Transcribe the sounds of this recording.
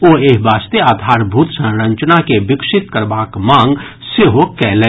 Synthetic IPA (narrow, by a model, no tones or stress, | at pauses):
oeːɦbaːst̪eaːd̪ʱaːɾbʱuːt̪sə̃nɾə̃ɲt͡ʃnakeʋɪkʃɪt̪kəɾbaːkmãːŋɡ | seɦokɛːlɛ